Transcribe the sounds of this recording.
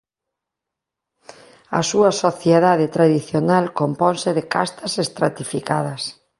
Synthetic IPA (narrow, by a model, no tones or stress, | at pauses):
ɐ̰suɐsoθjeðað̞et̪ɾaðiθjonalkompɔnseðeka̰st̪ɐsest̪ɾat̪ifikað̞ɐs